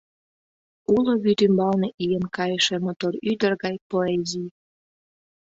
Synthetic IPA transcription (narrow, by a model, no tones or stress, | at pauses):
uloβyt̪ymbɑlneʔijenkɑjəʃemot̪oɾyd̪ərɣɑjpoezij